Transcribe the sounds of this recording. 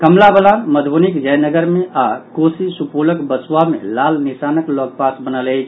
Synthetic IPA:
kʰəmlabəlaməd̪ʱbunikd͡ʒəjnəɡəɾmeakosisupuləkbəswamḛlalnisaːnəklɔk̚pasbənəlɛt͡ʃʰ

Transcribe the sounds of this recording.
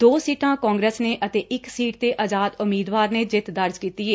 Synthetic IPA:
d̪oːsiːʈãːkɔ̃ːŋɡɾeːsneːʔət̪eːʔɪksiːʈ̚t̪eːʔəd͡ʒaːd̪ʊmiːd̪ʋaːɾneːd͡ʒɪt̪ʰd̪əɾd͡ʒkiːt̪ieː

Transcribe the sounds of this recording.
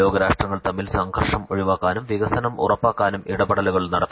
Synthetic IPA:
o̞ːɡɐɾaːʂʈrɐŋːɐɭt̪ɐmːilsɐŋkɐrʂɐmoɻiʋaːkːaːnumʋiɣɐsɐnɐmṵrɐpːaːkːaːnumiɽɐbɐɽɐluɣɐɭnɐɽɐt̪ː

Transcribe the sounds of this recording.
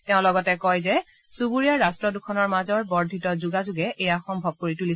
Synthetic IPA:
tɛʊ̃lɔɡɔtɛkɔjzɛ | subuɹijaɹːastɹɔdukʰɔnɔɹmazɔɹbɔɹdʱitɔzuɡazuɡɛʔejaxɔmbʱɔb̚koɹituli

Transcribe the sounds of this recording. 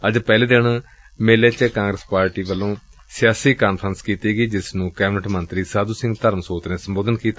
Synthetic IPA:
əd͡ʒpɛːleːd̪eɳ | meːleːt͡ʃəkãːŋɡɾəspaːɾʈiːʋəlːõː | sɪjaːsiːkaːnpʰɾənskiːt̪iːɡiːd͡ʒɪsnũːkɛːbɪnəʈmənt̪ɾiːsaːd̪uːsɪ̃ŋɡt̪əɾmsoːt̪neːsəmboːd̪ənkiːt̪a

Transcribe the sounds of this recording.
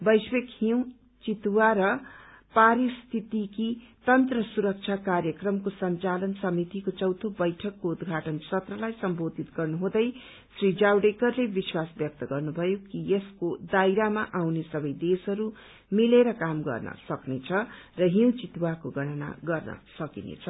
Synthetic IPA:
bʌjswekhiw̃ | t͡sit̪waɾʌ | paɾist̪ʰit̪ikit̪ʌnt̪rʌsuɾʌk̚t͡sʰakarjʌkrʌmkosʌnt͡salʌnsʌmit̪ikot͡sʌwt̪ʰobʌjʈʰʌkːoud̪ɡʱaʈʌnsʌt̪rʌlajsʌmbod̪ʱit̪ɡʌrnuɦõd̪ʌj | srid͡zawɖekʌrlebiswasbjʌk̚t̪ʌɡʌrnubʱʌjokieskod̪ajɾamaʔawnesʌbʌjd̪esʌɾu | mileɾʌkamɡʌ̰rnʌ̰sʌknet͡sʰʌ | rʌɦiw̃t͡sit̪wakoɡʱʌɽ̃ʌna̰ɡʌrnʌ̰sʌkinḛt͡sʰʌ

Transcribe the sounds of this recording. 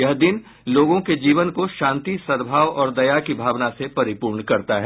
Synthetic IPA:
jɐɦd̪ɪn | loːɡõked͡ʒiːʋənkoʃãːnt̪isɐɾbʱaːʋɔːɾd̪ɐjakibʱaːʋnasepɐɾɪpuːɾɳkɐɾt̪aɦɛː

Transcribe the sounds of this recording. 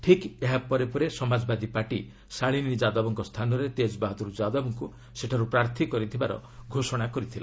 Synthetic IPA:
ʈʰikeɦapɔɾepɔɾesɔmad͡ʒɔbad̪ipaʈi | saɭinid͡ʒad̪ɔbɔŋkɔst̪ʰanɔɾet̪ed͡ʒɔbaɦɔd̪ɔɾud͡ʒad̪ɔbɔŋku | seʈʰaɾupɾaɾt̪ʰikɔɾit̪ʰibaɾɔ̰ɡʱosɔɽ̃akɔɾit̪ʰila

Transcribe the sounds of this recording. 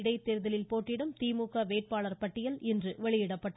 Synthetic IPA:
ɽɐɪt̪ːɛɾɯðɐlɪlpoːʈːɪɽɐmt̪iːmuːkːɐʋeːʈ̚paːɭɐɾpɐʈːɪjɐlɪndrɯʋɛɭɪjɪɽɐpːɐʈː

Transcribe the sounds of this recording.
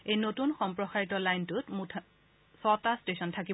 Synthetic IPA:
ejnotunxɔmpɹɔxaɹitɔlajntʊtmutʰ | sɔtastesɔntʰaki

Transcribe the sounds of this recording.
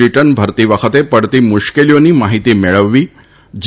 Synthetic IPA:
iʈənbʱəɾt̪iʋəkʰət̪epəɽt̪iːmuʃkelijoniːmaɦit̪iːmeɭəʋːiː | d͡ʑ

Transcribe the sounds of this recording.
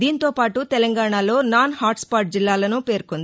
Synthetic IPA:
d̪iːnt̪o̞ːpaːʈut̪ɛlɐŋɡaːɳaːlo̞ːnaːnhaːʈspaːʈ̚d͡ʒilːaːlɐnupe̞ːɾkond̪ii

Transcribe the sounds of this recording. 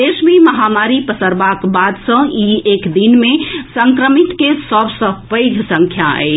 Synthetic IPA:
d̪esmeməɦamaɾipəsəɾbakbad̪sə̃iekd̪inmesəŋkɾəmit̪kesəbsə̃pəɪd͡ʒʱsə̃ŋkʰjaə̰

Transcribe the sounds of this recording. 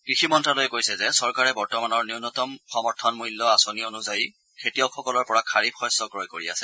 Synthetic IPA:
kɹiximɔntɹalojɛkojsɛzɛsɔɹkaɹɛbɔɹtɔmanɔɹniunɔtɔmxɔmɔɹtʰɔnmujlːɔasonionuzaji | kʰetiɔkʰːɔkɔlɔɹpɔɹakʰaɹibxɔjsɔɡɹɔjkoɹia̰sɛ

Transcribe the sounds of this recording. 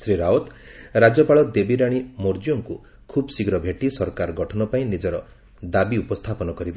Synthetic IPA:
sɾiɾaot̪ɾad͡ʒɔpaɭɔd̪ebiɾaɽ̃imoɾd͡ʒijoŋku | kʰubsiɡɾɔbʱeʈisɔɾkaɾɔɡɔʈʰɔnɔpaĩnid͡ʒɔɾɔ | d̪abiupɔst̪ʰapɔnɔkɔɾiba

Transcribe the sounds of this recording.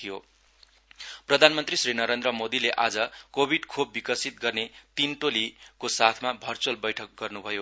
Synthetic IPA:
ijo | prʌd̪ʱanmʌnt̪risrinʌɾend̪rʌmod̪ileʔad͡zʌkobʱiɖkʰobːikʌsit̪̚ɡʌrnet̪inʈolikosat̪ʰmabʱʌrt͡sʌlbʌjʈʰʌk̚ɡʌrnubʱʌjo

